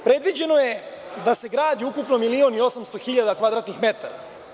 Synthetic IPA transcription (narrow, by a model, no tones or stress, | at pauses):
pɾe̞d̪ʋid͡ʑe̞no̞je̞ | d̪ase̞ɡɾaːd̪iukupno̞milio̞nio̞samst̪oxiʎad̪akʋad̪ɾaːt̪nixme̞t̪aɾa̰